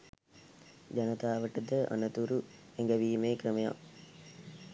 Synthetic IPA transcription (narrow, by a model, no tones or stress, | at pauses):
d͡ʒanət̪aːʋəʈəd̪əʔa̰nət̪uɾu | eŋɡəʋiːmeːkrəməja̰